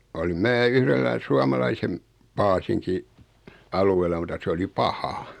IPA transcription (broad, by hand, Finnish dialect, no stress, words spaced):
olim mæː yhrelːæ suɑmɑlɑisem pɑːsiŋki ɑluelˑɑ mutɑ se oli pɑhɑ